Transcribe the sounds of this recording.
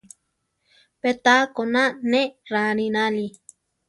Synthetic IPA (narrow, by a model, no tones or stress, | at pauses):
pet̪akonãnẽɾanĩnãli